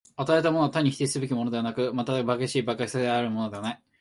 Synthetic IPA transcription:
at̪aet̪̬amo̞not̪aɲ̟ːiçi̥t̪eisɨbek̬ʲimo̞no̞d̪e̞anakɯ̟mat̪ad̪bakeɕiːbakakisad̪eaɾɯ̟mono̞d̪e̞βanai

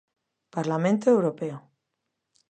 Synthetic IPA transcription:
paɾlamẽnt̪oewɾopeo

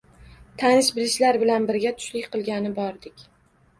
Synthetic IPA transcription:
t̪ʰanɪʃbɪlɪʃlaɾbɪlanbɪɾɡʲat̪ʰʊ̥ʃlɪkʲqʰɨlˠɡʲanɪbɒɾd̪ɪkʲ

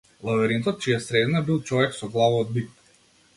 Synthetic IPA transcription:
lˠavɛɾint̪ɔt̪̚t͡ʃijasɾɛd̪nabilˠt͡ʃɔvɛksɔɡlˠavaːd̪̚bik̚t̪

